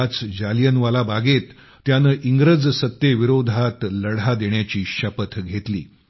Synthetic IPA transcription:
t͡sd͡ʑalijənʋalabaɡet̪ː | janəʔiŋɡɾəd͡zsət̪jeʋiɾod̪ʱat̪ləɽad̪eɳjat͡ɕiːɕəpət̪ɡʱet̪lḭː

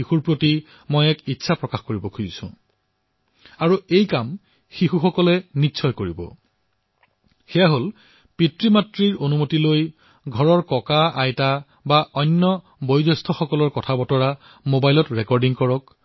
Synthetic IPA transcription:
ixuɹpɹoti | mojɛkitːsʰapɹɔkaxkoɹibɔkʰuzisʊ̰̃ | aɹuejkam | xixuxɔkɔlɛnitːsʰɔjkoɹibɔ̰ | xɛjaɦol | pitɹimatɹiɹonumotiloj | ɡʱɔɹɔɹkɔkaajta | baʔɔnːɔ | bojdɔstʰɔxɔkɔlɔɹkɔtʰabɔtɔɹa | mobajlɔtɹɛkɔɹdiŋkɔɹɔk

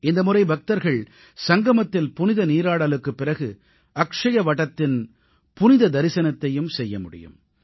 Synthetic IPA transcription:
ɪnd̪ɐmʊrɐɪbɐk̚t̪ɐɾɣɐɭ | sɐŋɡɐmɐt̪ːɪlpʊnɪðɐniːɾaːɽɐlɯkːɯpːɪrɐɣɯ | ʔɐkʂɐjɐʋɐʈːɐt̪ːɪn | pʊnɪðɐd̪ɐɾɪsɐnɐt̪ːɐjɯmsɛjːɐmʊɽɪ̰jɯ̰m

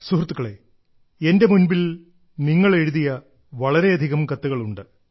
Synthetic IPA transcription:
suhrɐt̪ːukːɐɭḛ | e̞nde̞munbil | niŋːɐɭe̞ɻuðijɐ | ʋɐɭɐɾe̞ɐd̪ʱiɣɐmkɐt̪ːuɣɐɭuɳɖɨ

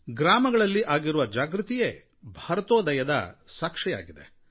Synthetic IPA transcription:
ɡɾaːmɐɡɐɭɐlːiʔaːɡiɾuʋɐd͡ʒaːɡɾut̪ije | bʱɐɾɐt̪oːd̪ɐjɐd̪ɐ̰saːkʂɛja̰ːɡid̪e̞̰

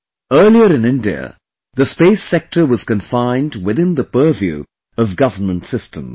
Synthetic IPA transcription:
ɜ˞lˠiə˞ɨ̃nɪ̃ndiə̰ | ðɨspeɪsɛk̚tə˞wʌz̥kɨ̃ɱfãɪ̃ndwɨðɪ̃nðəpɜ˞vjʉ̰ | ʌvɡʌvə˞mə̃ntsɪstə̰̃m

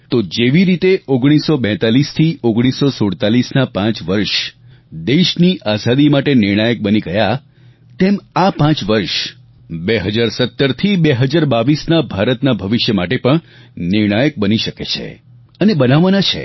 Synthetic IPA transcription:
t̪od͡ʒeʋiɾit̪eʔoɡɽ̃isːobɛ̃t̪alist̪ʰioɡɽ̃isːosoɽt̪alisnapãt͡ʃʋəɾʃ | d̪eʃniʔasad̪imaʈenɪɾɳ̃ajək̚bəniɡəja | t̪emapãt͡ʃʋəɾʃ | beɦəd͡ʒaɾsət̪ːəɾt̪ʰibeɦəd͡ʒaɾbaʋisnabʱaɾət̪nabʱəʋɪʃjəmaʈepəɳ | nɪɾɽ̃ajək̚bəniʃəket͡ʃʰḛ | ənebənaʋanat͡ʃʰḛ

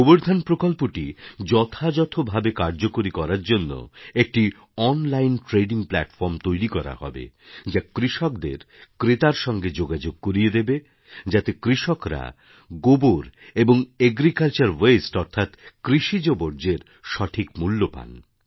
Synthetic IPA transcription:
ɡoboɾd̪ʱanpɾokolpoʈid͡ʑɔt̪ʰad͡ʑɔt̪ʰobʱabekaɾd͡ʑokoɾikɔɾaɾd͡ʑonːo̰ek̚ʈi | ɔnlajnʈɾeɖiŋplɛ̰ʈfɔɾmt̪ojɾikɔɾa̰hɔ̰bḛ | d͡ʑakɾiʃɔk̚d̪ḛɾ | kɾet̪aɾʃɔŋɡed͡ʑoɡad͡ʑoɡ̚koɾied̪ebe | d͡ʑat̪ekɾiʃɔkɾa̰ | ɡoboɾeboŋeɡɾikalt͡ɕaɾwesʈɔɾt̪ʰat̪kɾiʃid͡ʑoboɾd͡ʑeɾ | ʃɔʈʰikmulːopa̰n

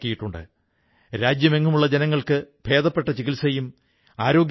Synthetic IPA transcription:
kːijiʈːuɳɖɨ̰ | ɾaːd͡ʑjɐme̞ŋːumuɭːɐd͡ʑenɐŋːɐɭkɨbʱe̞ːd̪ɐpːe̞ʈːɐt͡ɕiɣilsɐjum | aːɾo̞ːɡ

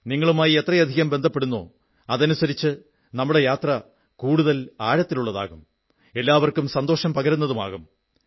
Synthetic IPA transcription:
niŋːɐɭumaːjie̞t̪rɐjɐd̪ʱiɣɐmbed̪ʱɐpːe̞ɽunːo̰ː | ɐðɐnusɐɾit͡ɕːɨ | nɐmːuɽe̞jaːt̪rɐ | kuːɽuðɐlaːɻɐt̪ːiluɭːɐða̰ːɣum | e̞lːaːʋɐrkumsɐnd̪oːʂɐmpɐɣɐɾunːɐðuma̰ːɣum

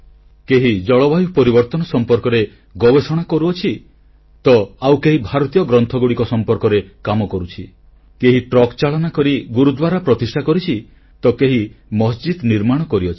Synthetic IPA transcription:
keɦid͡ʒɔɭɔbajupɔɾibɔɾt̪ɔnɔsɔmpɔɾkɔɾe | ɡɔbesɔɽ̃akɔɾuɔt͡ʃʰi | t̪ɔawkeɦibʱaɾɔt̪ijɔɡɾɔnt̪ʰɔɡuɽikɔsɔmpɔɾkɔɾekamɔkɔɾut͡ʃʰi | keɦiʈɾɔkt͡ʃaɭɔnakɔɾiɡuɾud̪waɾapɾɔt̪isʈʰakɔɾit͡ʃʰi | t̪ɔkeɦimɔsd͡ʒid̪niɾmaɽ̃ɔkɔɾiɔt͡ʃʰi̥

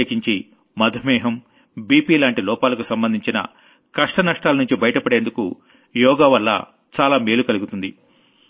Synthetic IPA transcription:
kiɲt͡ʃi | mɐd̪ʱɐmɛːɦɐm | biːpiːlaːɳʈilɔːpaːlɐkusɐmbɐnd̪ʱiɲt͡ʃinɐ̰ | kɐʂʈɐnɐʂʈaːlɐnuɲt͡ʃibɐjɐʈɐpɐɽe̞ːnd̪ukṵ | jɔːɡaːʋɐlːɐ̰ | t͡ʃaːlaːmeːlukɐluɡut̪und̪i

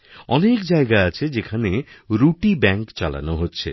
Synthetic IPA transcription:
ɔnekd͡ʒaeɡaat͡ʃʰed͡ʒekʰaneɾuʈibɛŋkt͡ʃa̰la̰noɦot͡ʃʰḛ

